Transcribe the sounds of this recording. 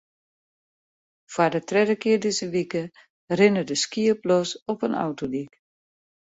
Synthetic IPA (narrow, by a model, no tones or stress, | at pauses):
fwadətrɛdəkɪədɪzəʋikə | rɪnədəskiəplɔsɔpənʔɔ̰wtodik